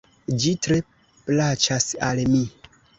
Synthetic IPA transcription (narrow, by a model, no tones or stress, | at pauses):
d͡ʒitɾe̞ | plat͡ʃasalmi